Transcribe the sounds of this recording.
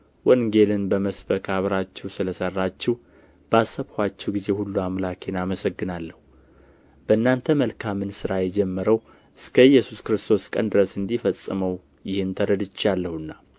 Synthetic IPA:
wʔɔnŋɡe̞lɨnbəməsbəkʰaβɾat͡ʃːɛwsɨləsərːat͡ʃːɛw | b̥əasːəβhat͡ʃːɛwɡize̞hulːuamlakʰe̞naməsəɡːɨnalːəhu | b̥əɨnːant̪ʰəməlkʰamɨnsɨɾajɛd͡ʒɛmːəɾəw | ɨskʰəjɛsuskɨɾɨst̪ʰo̞skʼənd̪ɨɾəsɨnd̪ifəsʼːɨməw | jɪhɨnt̪ʰəɾəd̪ɨt͡ʃːalːəhuɨnːa

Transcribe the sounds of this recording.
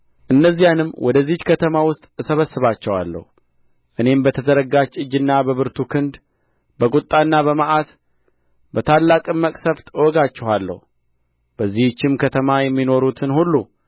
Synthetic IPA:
ʔɨnːəzːijanɨmːwɔd̪əzːit͡ʃkʰət̪ʰəmawʊst̪ʼsəβəsːɨβat͡ʃːɛwa̰lːə̰hu | ʔɨne̞mbət̪ʰəzəɾəɡat͡ʃːɨd͡ʒːɨnːabəβɨɾt̪ʰukʰɨnd̪ | bəkʼut̪ʼːanːaβəmaʔat̪ | bət̪ʰalːakʼɨmːəkʼsəft̪ʼwɔɡat͡ʃːɛwalːə̰hu | b̥əzːiht͡ʃːɪmkʰət̪ʰəmajɛmːino̞ɾut̪ʰɨnhulːu

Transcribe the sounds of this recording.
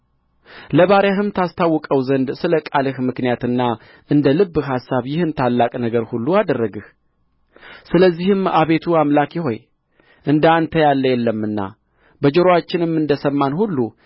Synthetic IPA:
ləβaɾjahɨmt̪ʰast̪ʰawːɔkʼəwzənd̪sɨləkʼalɨhmɨknijat̪ɨnːa | ʔɨnd̪əlɨbːɨhasːaβjɪhɨnt̪ʰalːakʼnəɡəɾhulːuad̪ərːəɡɨh | sɨləzːihɨmaβe̞t̪ʰuamlakjɪɦo̞̰j | ʔɨnd̪ant̪ʰəjalːəjɛlːəmːɨnːa̰ | bəd͡ʒoɾowat͡ʃːɪnɨmːɨnd̪əsəmːanhulːu

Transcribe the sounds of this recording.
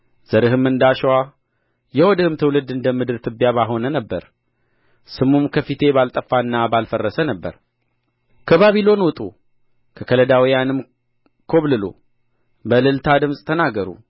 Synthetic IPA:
z̥əɾɨɦɨmɨnd̪aʃwa | jɛwɔd̪əhɨmt̪ʰəwlɨd̪ɨnd̪əmɨd̪ɨɾt̪ʰɨbjaβaɦo̞nənəbːəɾ | sɨmumkʰəfit̪ʰe̞balt̪ʼəfːaɨnːabalfərːəsənəbːə̰ɾ | kʰəβaβilo̞nwɔt̪ʼu | kʰəkʰələd̪awijanɨm | kʰo̞βlɨlo̰ | bəlɨlt̪ʰad̪ɨmsʼt̪ʰənaɡəɾṵ

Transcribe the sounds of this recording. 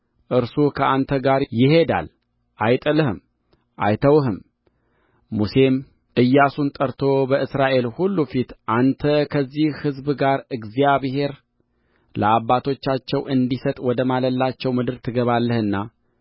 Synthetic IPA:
ʔɨɾsukʰəʔant̪ʰəɡaɾjɪhe̞d̪a̰l | ʔajt̪ʼələhɨm | ʔajt̪ʰəwhɨm | use̞m | ʔɨjːasunt̪ʼəɾt̪ʰo̞bəɨsɾaʔe̞lhulːufit̪ʔant̪ʰəkʰəzːihhɨzbɨɡaɾɨɡzijaβhe̞ɾ | ləabːat̪ʰo̞t͡ʃːat͡ʃːɛwʔɨnd̪isət̪ʼwɔd̪əmaləlːat͡ʃːɛwmɨd̪ɨɾt̪ʰɨɡəβalːəhɨnːa

